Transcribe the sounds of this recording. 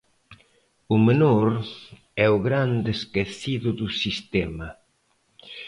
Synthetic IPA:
umenoɾ | ɛuɣɾand̪eskeθiðʊðusist̪ɛmɐ

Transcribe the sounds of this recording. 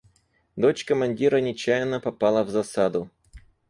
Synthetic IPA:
d̪ot͡ɕkəmɐnʲdʲiɾənʲɪt͡ɕæjɪnːəpɐpalˠəvzɐsad̪ʊ

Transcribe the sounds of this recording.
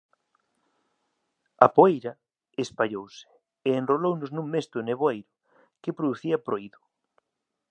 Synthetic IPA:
ɐpoejɾɐ | espaʎowsɪ̥ | eːnrolownʊznũŋmest̪ʊneβ̞oejɾʊ | kepɾoðuθiɐpɾoiðʊ̥

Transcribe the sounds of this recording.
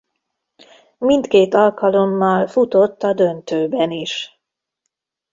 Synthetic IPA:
mint̪keːt̪ɒlkɒlomːɒlfut̪o̞t̪ːɒd̪ø̞nt̪øːbɛniʃ

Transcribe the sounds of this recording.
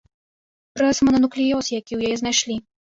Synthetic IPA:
ɾɛsmɐnɐnuklʲijɔsjakʲiwjajɛznajʂlʲi

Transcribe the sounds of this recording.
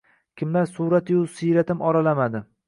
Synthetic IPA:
kʲʰɪmlaɾsuɾat̪jusiɾat̪ʰɪmɒɾalamad̪ɪ

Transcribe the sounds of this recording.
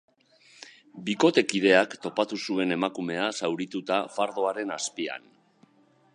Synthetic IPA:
biko̞t̪e̞kið̞e̞akt̪o̞pat̪usue̞ne̞makume̞asawɾit̪ut̪afaɾðo̞aɾe̞naspia̰n

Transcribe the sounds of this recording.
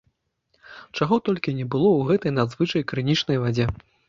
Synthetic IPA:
t͡ʂaɣɔt̪ɔlʲkʲinʲɛbɨlˠɔwɣɛt̪ɐjnad̪zvɨt͡ʂɐjkɾɨnʲit͡ʂnɐjvad͡zʲɛ

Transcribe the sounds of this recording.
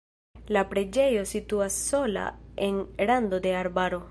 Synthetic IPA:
lapɾe̞d͡ʒe̞jo̞situasːo̞la̰e̞nlando̞de̞aɾbaɾo̞

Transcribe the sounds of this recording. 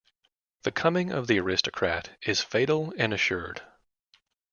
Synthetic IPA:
ðɨkʰʌmɪ̃ŋʌ̰vðiə˞ɪstɨkʰɹ̥æɾɪz̥feɪɾl̩ˠɨ̃nɨʃʊɹd̥

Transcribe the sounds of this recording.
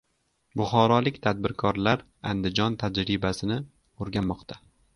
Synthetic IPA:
bʊχɒɾɒlɪkʲt̪ʰad̪̚bɪɾkʰɒɾlaɾ | and̪ɪd͡ʒɒnt̪ʰad͡ʒɾɪbasɪnɪ | oɾɡʲanmːɒqt̪ʰa

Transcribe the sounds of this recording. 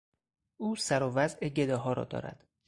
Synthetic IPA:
ʔuːsæɾovæzʔeɟe̞d̪ɒːɦɒːɾɒ̰ːd̪ɒ̰ːɾæ̰d̪̥

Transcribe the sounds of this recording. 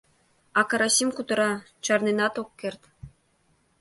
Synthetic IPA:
ɑkɑɾɑsʲimʲkut̪ɤ̆ɾɑ | t͡ɕɑrninɑt̪okʲːerʲt̪ʲ

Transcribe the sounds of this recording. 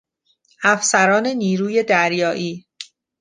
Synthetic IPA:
æfsæɾɒːne̞niːɾuːje̞d̪æɾjɒːʔiː

